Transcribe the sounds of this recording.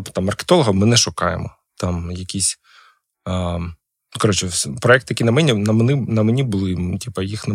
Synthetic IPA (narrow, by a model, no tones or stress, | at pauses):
t̪ɑmːɐrke̥t̪ɔlˠɔɦɐmɪnɛʃʊkɑjḛmɔ | t̪ɑmjɐkʲisʲ | kɐɾɔt͡ʃɛpɾɔɛk̚t̪jɐkʲinɐmɛnʲinɐmnɪnɐmɛnʲibʊlˠɪtʲipɐjixnɐ